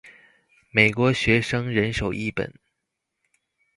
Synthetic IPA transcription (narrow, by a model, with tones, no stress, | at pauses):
me˨˩ɪkwɔ˧˥ɕɥɛ˧˥ʂɤ˥ŋɻə˧˥nʂo˨˩ʊʔi˥˩pə̰˨˩˦n